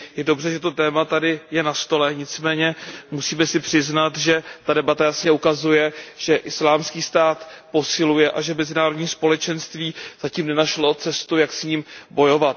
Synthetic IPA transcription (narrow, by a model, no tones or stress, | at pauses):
jɛdo̞br̝ɛʒɛt̪o̞t̪ɛːmat̪adɪjɛnast̪o̞lɛɲɪt͡smɛːɲɛmusiːmɛsɪpr̝̥ɪznat̪ʒɛt̪adɛbat̪ajasɲɛukazujɛʒ̥ɛʔɪslaːmskiːst̪aːt̪po̞sɪlujɛʔaʒɛmɛzɪnaːɾo̞dɲiːspo̞lɛt͡ʃɛnst̪viːz̥aciːmnɛnaʃlo̞t͡sɛst̪ujaksɲiːmbo̞jo̞vat̪̚